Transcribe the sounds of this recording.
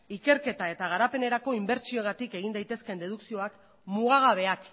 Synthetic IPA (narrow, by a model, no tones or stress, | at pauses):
ike̞ɾke̞t̪ae̞t̪aɣ̞aɾape̞ne̞ɾako̞imbe̞ɾt͡ʃioɣat̪ike̞ɣind̪ajt̪e̞ske̞nd̪e̞ð̞uksio̞ak | muɣaɣ̞aβ̞e̞ak